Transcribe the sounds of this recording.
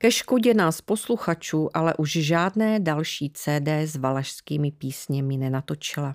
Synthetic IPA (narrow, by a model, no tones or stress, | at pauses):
kɛʃkoɟɛnaːspo̞sluxat͡ʃuːʔalɛ̰ʔuʒʒaːdnɛːdalʃiːt͡sɛːdɛːzvalaʃskiːmɪpiːsɲɛmɪnɛnat̪o̞t͡ʃɪla